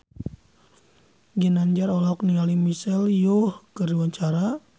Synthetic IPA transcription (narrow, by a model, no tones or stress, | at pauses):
ɡinaɲd͡ʒaɾɔlɔk̚nialimisɛljohkəriwaɲt͡ʃaɾa